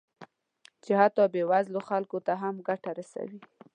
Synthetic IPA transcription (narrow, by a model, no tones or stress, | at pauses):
t͡ʃɪhat̪ɔbewazloxalkot̪aɦamɡaʈaɾasa̰wi